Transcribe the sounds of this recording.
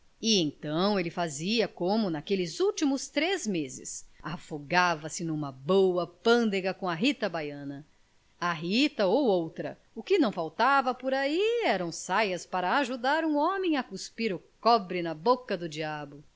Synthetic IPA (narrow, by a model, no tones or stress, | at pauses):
ɪẽt̪ɐ̃w̃elɪfaziɐkõmʊnakelɪzuwt͡ʃimʊst̪ɾezmezɪ̰safoɡavɐsɪnũmɐbowɐpɐ̃nd̪eɡɐkõɐɦit̪ɐbajɐ̃nɐ | aɦit̪ɐowowt̪ɾɐ | ʊkɪnɐ̃w̃fawt̪avɐpoɾaiɛɾɐ̃w̃sajɐspaɾɐːʒud̪aɾũɔ̃mẽj̃ɐkuspiɾʊkɔbɾɪnɐbokɐd̪ʊd͡ʒiabʊ